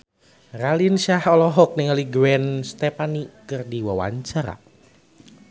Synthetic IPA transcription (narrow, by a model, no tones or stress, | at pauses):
ralinʃahɔlɔɦɔk̚nɪŋaliɡwɛnst̪ɛpanikɨrdiwawa̰ɲt͡ʃaɾa̰